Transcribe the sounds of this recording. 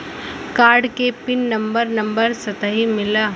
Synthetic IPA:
kaːɾɖkepɪnːɐ̃mbəɾnɐ̃mbəɾsɐt̪əɦimɪla

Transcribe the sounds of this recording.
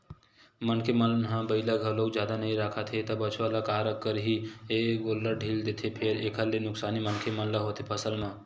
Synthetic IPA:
mənkʰeməlɦãbəɪlaɡʱəloːɡd͡ʒjaːd̪anɐɦĩɾaːkʰat̪ʰet̪ɐbət͡ʃʰʋalakaːɾəkːəɾɦieɡoːlːəɾɖʱiːld̪eːt̪ʰepʰeɾeːkʰəɾlenʊksaːnimənkʰemɐllaɦoːt̪ʰepʰəsəlmãː

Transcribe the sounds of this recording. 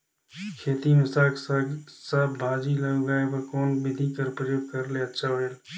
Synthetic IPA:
kʰeːt̪imʊsaːkssəbbʱaːd͡ʒilɐɡoɡaːepɐkoːnbɪd̪ʱikɐɾpɾəjoːɡ̚kɐɾleɐtːʃʰaoɽeːl

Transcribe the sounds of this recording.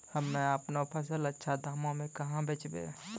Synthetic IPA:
hɐmːẽapnapʰəsələtːʃʰad̪ʱaːmõmẽkɐɦãbʱeːt͡ʃbḛː

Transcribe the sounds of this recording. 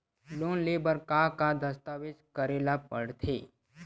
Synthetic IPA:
loːnleːbəɾkakad̪əst̪aːʋɪd͡ʒkəɾeːlapəɽt̪ʰeː

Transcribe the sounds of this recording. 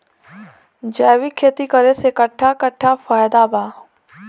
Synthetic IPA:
d͡ʒɛːʋikʰːeːt̪ikəɾesekəʈʰːakəʈʰːafaːjd̪aːbaː

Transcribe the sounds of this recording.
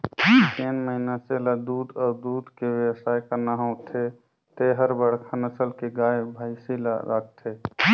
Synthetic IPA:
t̪enməɦinaselad̪ud̪ad̪ud̪ʱkeʋewəsajkənaɦɔ̃wt̪ʰe | t̪eɦəɾbəɽkʰanəsəlkeɡajbʱajsila̰ɾa̰k̚ʰt̪ʰe

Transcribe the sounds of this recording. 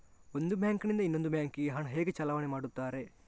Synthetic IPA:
o̞nd̪ubjaːŋknind̪ɐinːo̞nd̪ubjaːŋkiɡeɦɐɳɦeːɡet͡ʃɐlaʋɐnemaːɽut̪ːaːɾe̞

